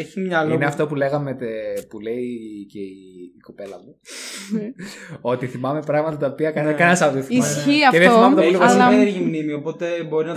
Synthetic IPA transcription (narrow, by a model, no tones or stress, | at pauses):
eçimɲɐlineɐft̪o̞pule̞ɣɐmet̪epule̞iceiiko̞pe̞lɐmu | o̞t̪iθimɐme̞pɾɐɣmɐt̪ɐt̪ɐopiɐkɐnkɐnɐsɐoðioθiimɐsçiɐeðeθimɐmet̪ɐpoliɐsneɾçimnimiopo̞t̪e̞bo̞ɾinɐ